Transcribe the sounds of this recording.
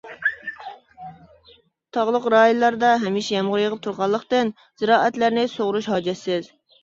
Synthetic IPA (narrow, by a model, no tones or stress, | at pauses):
t̪ʰɑʁlˠəqɾɑːjunlːˠɑɾd̪ɑɦɛmiʃɛjɛmʁʊɾjəʁəp̚t̪ʰuɾʁɑlˠːəqt̪ɪn | z̥ɨɾɑːʔɛt̪læɾnɪsoʁɾuʃɦɑːd͡ʒɛsːɪz